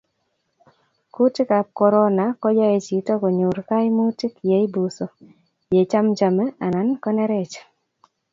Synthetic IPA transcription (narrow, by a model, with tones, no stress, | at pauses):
ku˦tɪ˦ka˨p̚kɔ˨ɾɔ˦na˨kɔ˦d͡ʒa˦e˨t͡ʃi˨tɔ˦ko˨ɲu˨ɾka˦jmu˦tɪ˦kje˨i˦bu˨so˨ | je˨t͡ʃa˦md͡ʒa˨mɛ˦a˨na˨nkɔ˦nɛ˦ɾɛ˦t͡ʃ